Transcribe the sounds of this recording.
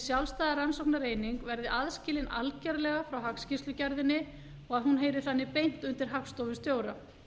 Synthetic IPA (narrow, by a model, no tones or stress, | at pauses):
sjalst̪aːðaransowknaɾeːjniŋkvɛɾðɪʔaðscɪːlɪna̰lcɛɾlɛɣafɾawɦakscɪsʏcaɾðɪnːɪ | ɔɣaðhunɦeːjɾɪ̥θanːɪpejn̥t̪ʏnt̪ɪɾ̥ɦakst̪owvɪst̪joːwɾa